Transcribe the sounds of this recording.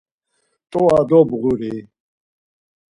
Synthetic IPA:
t̪ʼɔad̪ɔbɣuɾi

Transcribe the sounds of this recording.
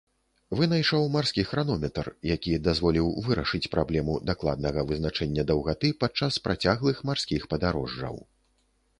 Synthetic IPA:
vɨnajʂɔwmarsʲkʲixɾanɔmʲɛt̪rjakʲid̪azvɔlʲiwvɨɾɐʂɨt͡sʲpɾʔablʲɛmud̪aklˠa̰d̪nɐɣɐvɨznat͡ʂɛnʲːɐd̪ɐwɣat̪ɨpat͡ʂaspɾat͡sʲaɣlˠɨxmarsʲkʲixpɐd̪aɾɔ̰ʐːɐ̰w

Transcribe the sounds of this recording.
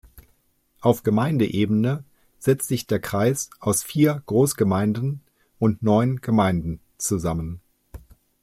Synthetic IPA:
ʔaʊfɡ̥əmaɪndəʔeːbənə | z̥ɛt͡stz̥ɪçd̥eːɐkʁ̥aɪsʔaʊsfiːɐɡ̥ʁoːsɡ̥əmaɪndn̩ | ʔʊntnɔʏnɡ̥əmaɪndn̩ | t͡suzamən

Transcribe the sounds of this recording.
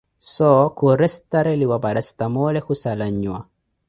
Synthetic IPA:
sɔkuɾɛst̪aɾɛliwabaɾast̪amɔlɛhusalaɲːwa̰

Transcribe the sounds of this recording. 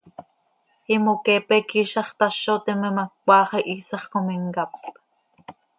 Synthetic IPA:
imokepekiːʃɑχt̪ɑʃːoːt̪imemakkʷɑːχeʔiːsɑχkomiŋkap

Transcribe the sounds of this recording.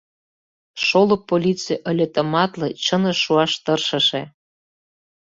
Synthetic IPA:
ʃolopːolʲit͡sijʔə̆lʲĕt̪ə̆mɑt̪lɤ̆t͡ɕənəʃuɑʃt̪ɤrʃɤ̆ʃe

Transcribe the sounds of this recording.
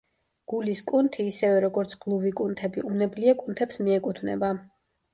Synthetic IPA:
ɡ̥uliskʼunt̪ʰiːsɛvɛɾɔɡɔɾt̪sʰɡlˠuvikʼunt̪ʰɛbiʔumnɛbliakʼunt̪ʰɛpsmiɛkʼut̪ʰvnɛ̰ba

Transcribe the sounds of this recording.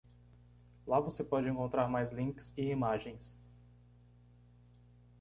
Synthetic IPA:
lavosepɔd͡ʒɪẽŋkõnt̪ɾaɾmajzlĩksɪimaʒẽj̃s

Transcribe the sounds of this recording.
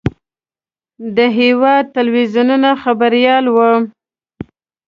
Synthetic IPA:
d̪əɦewɑd̪̚t̪alwizununaxabaɾjɑlwə

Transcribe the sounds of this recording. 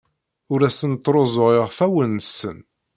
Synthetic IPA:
ʊɾæsənt̪ːɾˤozˤoʁeʁfæwənsən

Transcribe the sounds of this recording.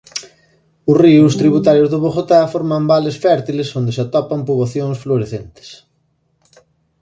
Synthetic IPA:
ʊsriʊst̪ɾiβ̞ut̪aɾjʊzðʊβoxot̪afoɾmambalesfɛɾt̪ilesond̪ɪsat̪ɔpampuβaθjoŋsfloɾeθent̪ɪ̥s

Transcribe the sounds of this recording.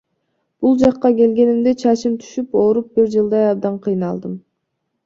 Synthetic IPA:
b̥ulˠd͡ʒɑqːɑke̞lɡe̞nimd̪e̞t͡ʃʰɑt͡ʃimt̪ʰy̥ʃypo̞ɾup̚biɾd͡ʒɯlˠd̪ɑjɑb̚d̪ɑɴqʰɯjnɑlˠd̪ɯm

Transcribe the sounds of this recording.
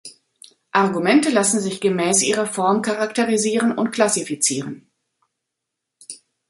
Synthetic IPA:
ʔaɐɡumɛntəlasn̩zɪçɡ̥əmɛːsʔiːʁɐfɔɐmkʰaʁaktəʁiziːʁənʊntkl̥asifit͡siːʁən

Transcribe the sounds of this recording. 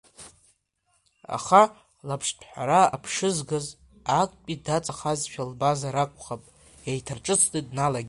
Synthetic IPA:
a̰χa | lapʰʂpʰħʷaɾaapʰʂɨzɡaz | akʷʼpʲʼidat͡sʼaχazʃᶣalbazaɾakʷʼχapʼ | jajtʰarʈ͡ʂʼɨsʰtʼidnalaɡʲ

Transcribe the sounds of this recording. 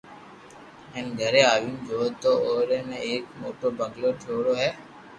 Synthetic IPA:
ɪnɡʱəɾeaːʋũmd͡ʒoːt̪ooːɾemẽeːkmoːʈoɾbəŋɡlot͡ʃʰoːɽoɦɛː

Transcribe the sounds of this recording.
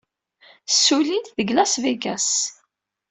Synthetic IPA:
sːulint̪ðəɡlæsvæɡæs

